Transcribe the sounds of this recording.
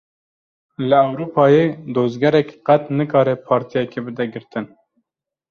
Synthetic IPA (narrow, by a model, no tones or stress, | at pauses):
lɨɛwɾuːpʰɑːjed̪oːzɡɛɾɛkqɛt̪nɨkɑːɾɛpʰɑːɾt̪ʰijɛkebɨd̪ɛɡɨɾt̪ɨn